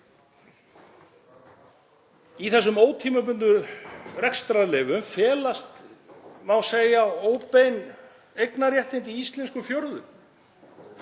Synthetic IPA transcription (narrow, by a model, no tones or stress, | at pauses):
iθɛs̬ːʏmoːwt̪ʰiːmʏp̬ʏnt̪ʏrɛkst̪ɾalɪːvʏmfɛːlast̪mawseːjaoːwpejn | ejknaɾjɛht̪ɪnt̪iist̪lɛnskʏfjɔɾðʏm